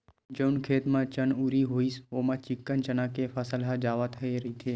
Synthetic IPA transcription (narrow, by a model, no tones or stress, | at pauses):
d͡ʒəʊnkʰeːt̪mãt͡ʃənuːɾiɦoːisoːmãt͡ʃɪkːənt͡ʃənãkefʰəsəlɦad͡ʒaːʋat̪ʰəeɾəɦit̪ʰeː